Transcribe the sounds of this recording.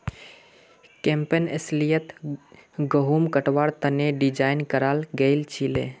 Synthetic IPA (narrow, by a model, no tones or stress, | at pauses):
kempenḛslijət̪ | ɡəɦumkəʈʋaɾt̪əneɖid͡ʒainkəɾalɡəɪlt͡ʃʰilḛ